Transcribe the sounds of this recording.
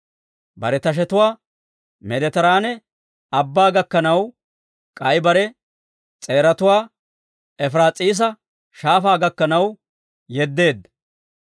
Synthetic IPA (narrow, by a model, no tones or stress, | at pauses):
bɐ̰ɾɛt̪ɐʃ̬ɛt̪ʊwaː | mɛd̪ɛt̪ɐɾaːnɛ | ɐbːaːɡɐkːɐnɐw | kʼɐjbɐɾɛ | t͡sʼeːɾɐt̪ʊwaː | ɛfɾaːt͡sʼiːs̬ɐ | ʃaːfaːɡɐkːɐnɐw | jɛd̪ːe̞ːd̪ːɐ